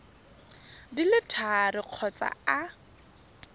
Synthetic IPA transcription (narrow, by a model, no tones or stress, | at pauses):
dilɪtʰarɪq͡χʰɔt͡sʼa̰a